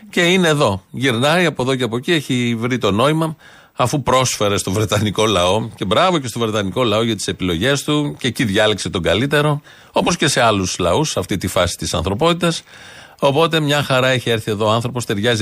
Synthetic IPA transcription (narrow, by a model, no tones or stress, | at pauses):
ce̞ine̞ːðo̞ʝiɾnɐiɐpo̞ðo̞ceɐpo̞cie̞çivɾit̪o̞no̞imɐ | ɐfupɾo̞sfe̞ɾe̞st̪o̞vɾe̞t̪ɐniko̞lɐo̞ce̞bɾɐvo̞ce̞st̪o̞vɾe̞t̪ɐniko̞lɐo̞ʝɐt̪i̥se̞pilo̞ʝe̞st̪uce̞ciðʝɐlekse̞t̪o̞ɡɐlit̪e̞ɾo̞ | opo̞sce̞se̞ɐluslɐusɐft̪it̪ifɐsi̥t̪isɐnθɾo̞po̞t̪it̪ɐs | o̞po̞t̪e̞mɲɐxɐɾɐe̞çie̞ɾθie̞ðo̞ːɐnθɾo̞post̪e̞ɾʝɐzi